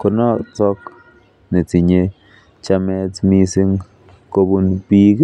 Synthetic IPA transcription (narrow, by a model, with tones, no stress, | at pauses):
kʊ˨nɔ˦tɔ˦k | ne˨ti˨ɲe˦ | t͡ʃa˦mɛ˦tmi˦si˦ŋ | ko˦bu˦npi˦k